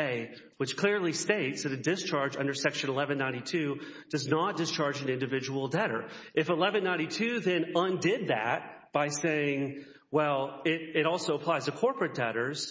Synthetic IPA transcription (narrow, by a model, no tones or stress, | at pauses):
ɪ | wɨt͡ʃkʰl̥ɪɹlisteɪtsðɨɾɨdɨst͡ʃʰɑɹd͡ʒʌ̃ndə˞sɛkʃɨ̃nəlɛvɨ̃nːãɪ̃ñitʰʉ | d̥ʌznət̚d̥ɨst͡ʃʰɑɹd͡ʒɨ̃nɪ̃ndɨvɪd͡ʒəwl̩ˠdɛɾə̰˞ʔɨfəlɛvɨ̃nːãɪ̃nitʰʉðɨ̃nʌ̃ndɪd̪̚ðæ̰t̚b̥aɪseɪɪ̃ŋ | wɛlˠɪɾɪɾɔlˠsoʊəpʰl̥aɪz̥ɨkʰɔɹpɹɨt̚d̥ɛɾə˞z̥